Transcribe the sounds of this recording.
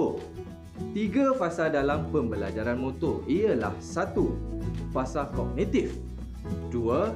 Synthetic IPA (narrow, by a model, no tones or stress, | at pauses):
t̪iɡafasadalampəmbəlad͡ʒaɾanmõt̪ʊrijəla̰hsat̪ufasakɔɡ̚nĩt̪if | duə